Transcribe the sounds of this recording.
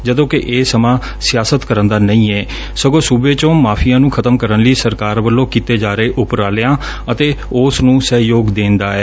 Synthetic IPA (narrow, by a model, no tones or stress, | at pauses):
d͡ʒəd̪õːkɪʔeːsəmãː | sɪjaːsət̪kəɾənd̪aːnəĩːɛː | səɡõːsuːbeːt͡ʃõːmaːpʰijãːnũːkʰət̪əmkəɾənləiːsəɾkaːɾʋəlːõːkiːt̪eːd͡ʒaːɾeːʔʊpɾaːleãː | ət̪eː | ʊsnũːsəɦjoːɡd̪ẽːnd̪aːɛː